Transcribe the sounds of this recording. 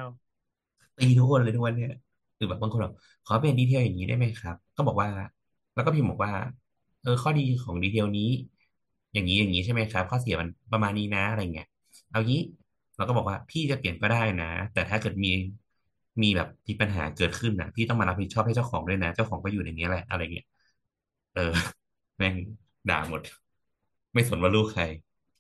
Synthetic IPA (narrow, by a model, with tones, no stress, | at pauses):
t̪iː˧t̪u˦˥kʰo˧nlɤː˧t̪ʰu˦˥kwa˧nːi˦˥ɐ | ɯː˨˩bɛː˨˩p̚ba˧ŋko˧nlɔ˨˩ | kʰɔː˨˦˥p̬e˨diː˧t̪ʰi˧əwjaː˨˩ŋːiː˦˥daː˥˩jma˦˥jkʰa˦˥p̚kɔː˥˩bɔː˨˩k̚waː˥˩ | lɛ˦˥wkɔ˥˩pʰiː˥˩bɔː˨˩k̚waː˥˩ | ʔɤː˧kʰɔː˥˩diː˧kʰɔː˩˦ŋdiː˧i˧wniː˦˥ | jaː˨˩ŋːiː˦˥jaː˨˩ŋːiː˦t͡ɕʰa˥˩ma˦˥jkʰa˦˥p̚kʰɔː˥˩si˨˩˦ma˧npɾa˧maː˧nːiː˦˥na˦˥ʔa˧ɾa˧ja˨ŋi˦˥ɐ | ʔa˧wʔa˨˩ŋiː˦˥ | ɾa˧˥wkɔː˥˩bɔː˨˩kwːpʰiː˥˩t͡ɕa˨˩pi˨˩ənkɔː˥˩daː˥˩jna˦˥t̪ɛː˨˩t̪ʰaː˥˩kɤː˨˩t̪̚miː˧ | miː˧bɛː˨˩p̪̚ːʰiː˧˩pa˧nɦaː˩˦kɤː˨˩t̪̚kʰɯ˥˩nʔa̰˧˩pʰiː˥˩t̪ɔ˥˩maː˧a˦˥p̚hi˨˩t̪̚t͡ɕʰɔː˥˩pha˥˩t͡ɕa˥˩wkʰɔː˩˦ŋdu˥˩əjna˦˥t͡ɕa˥˩wxʰɔː˩˦ŋkɔː˥˩juː˨˩˨ni˦˥˩lɛ˨˩ʔa̰˧ɾa˧ji˦˥ɐ | ʔɤː˧ | mɛ˥˩ŋ | da̰ː˨˩mo˨˩t̪̚ | ma˥˩jso˩˦nwaː˥˩luː˥˩kʰa˧j